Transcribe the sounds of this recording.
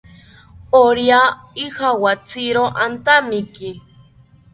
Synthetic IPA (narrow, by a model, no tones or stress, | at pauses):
oɾja | ixawat͡siɾoʔant̪amiki